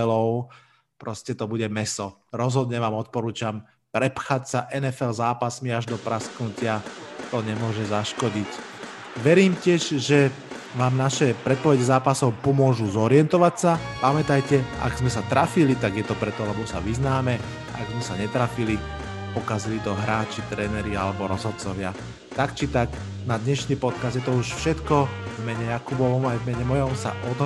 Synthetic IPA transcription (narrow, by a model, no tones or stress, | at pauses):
lɔʊ | pɾɔscɛt̪ɔbuɟɛmɛsɔɾɔzɦɔd̪ɲɛʋaːmɔt̪̚pɔɾuːt͡ʃam | pɾɛpxacsaʔɛnɛfɛlzaːpasmiaʒd̪ɔpɾasknucɪat̪ɔɲɛmʊɔʒɛzaʃkɔɟic | ʋɛɾiːmcɪɛʒʒɛ | ʋaːmnaʃɛpɾɛt̪̚pɔʋɛɟɛzaːpasɔʊpɔmʊɔʒuzɔɾɪɛnt̪ɔʋacsapamɛt̪ajcɛa̰ɡzmɛsat̪ɾafilit̪aɡjɛt̪ɔpɾɛt̪ɔalɛbɔsa̰ʋiznaːmɛ | aaɡzmɛsaɲɛt̪ɾafili | pɔkazilit̪ɔɦɾaːt͡ʃit̪ɾɛːnɛɾialɛbɔɾɔzɦɔt̪̚t͡sɔʋɪa̰ | t̪akt͡ʃit̪aɡ | nad̪ɲɛʃniːpɔt̪̚kazd̪jɛt̪ɔuʃfʃɛt̪kɔvmɛɲɛjakubɔʋɔmajvmɛɲɛmɔjɔmsa̰ʔɔd̪ɦ